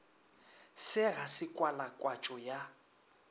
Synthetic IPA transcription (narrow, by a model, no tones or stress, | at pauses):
sɪɣasɪkʼwalakʼwat͡ʃʼɔja